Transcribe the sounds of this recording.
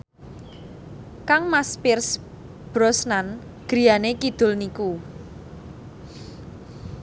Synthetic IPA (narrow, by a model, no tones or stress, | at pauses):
kaŋmaspɪrs | b̥ɾɔsnan | ɡ̥ɾijanekid̪̥ʊ̤lniku